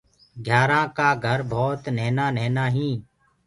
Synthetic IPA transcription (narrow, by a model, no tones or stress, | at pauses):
ɡʱjaːɾãːkaːɡʱəɾbʱoːt̪neːnaːneːnaːɦĩː